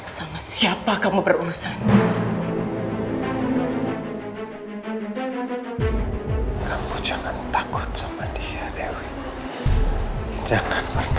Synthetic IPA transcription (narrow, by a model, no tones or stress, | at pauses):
samasiapakamubəruɾusan | kamud͡ʒaŋant̪akʊ̥t̪̚samadiadewi | d͡ʒaŋanparn